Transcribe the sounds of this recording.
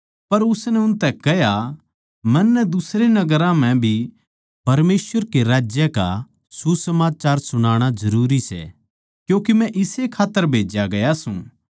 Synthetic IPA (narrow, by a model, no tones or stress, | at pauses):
pɐɾʊsnɛʊnt̪ɛkɐɦja | mɐ̃nːɛd̪ʊsɾenɐɡəɾãm̤ɛ̃bʱi | pɐɾmeːsʋəɾkeɾaːd͡ʒjəka̰ | susɐmaːt͡ʃaːɾsʊɽ̃aːɽ̃azɐɾuːɾisɛ̰ | kjũːkimɛ̃ʔɪsekʰaːt̪ːəɾbʱeːd͡ʒaɡɐjasṵ̃